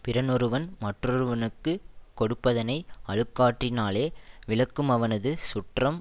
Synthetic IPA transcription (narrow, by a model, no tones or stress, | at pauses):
pɪɾɐnɔɾɯʋɐnmɐʈrɔɾɯʋɐnɯkːɯkːɔɽɯpːɐðɐnɐɪɐɻɯkːaːʈrɪnaːleːʋɪɭɐkːɯmɐʋɐnɐðɯsʊʈrɐm